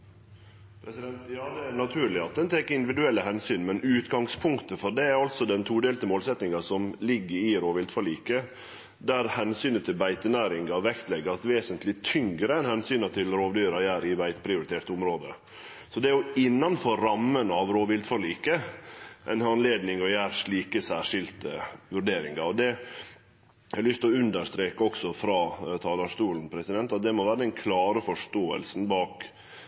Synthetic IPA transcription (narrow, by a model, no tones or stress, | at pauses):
pʰɾɛsɪd̪ɛnt̪jɑːd̪ɛænɑt̪ʰʉːɾɭɪɑt̪̚d̪ɛnt̪ʰeːkɪnd̪ɪʋɪd̪ʉɛlːəɦɛnsyːnmɛnʉːt̪ɡɑŋspʰʊŋkt̪əfɔɾɖ̪ɛæɾɑlt̪sɔd̪ɛnt̪ʰuːd̪eːlt̪əmoːlsɛt̪nɪŋɑsɔmlɪɡːəɾɪɾoːʋɪld̪fɔɭiːkə | d̪æɾhɛnsyːnət̪ʰɪlbæɪt̪ənæːɾɪŋɡɑʋɛkt̪lɛɡəɾɑt̪ʋeːsənt̪lɪt̪ʰʏŋɡɾəɛnhɛnsyːnɑt̪ʰɪlɾoːʋd̪yːɾɑjæːɾɪbæɪt̪pʰɾɪʊɾɪt̪ʰeːɾt̪ʊmɾoːd̪ə | sɔd̪ɛæɾjʊɪnːɑnfɔɾːɑmːənɑʋɾoːʋɪlt̪fɔɾɭiːkəʔɛnɑnleːd̪nɪŋɔjæːɾʂɭiːkəsæːʂɪlt̪əʋʉɾɖeːɾɪŋɑɔd̪ɛ | ɑlʏst̪ɔʉnd̪əɾʂt̪ɾeːkəɔksɔfɾɑːt̪ʰɑːlɑːʂt̪uːln̩pʰɾɛsɪd̪ɛnt̪ɑt̪̚d̪ɛmɔʋæːɾəd̪ɛnkʰlɑːɾəfɔʂt̪oːə̰lsn̩bɑːk